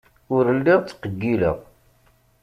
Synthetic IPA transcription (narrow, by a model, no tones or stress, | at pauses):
ʊɾəlːiʁt͡sːqəɡːilə̰ʁ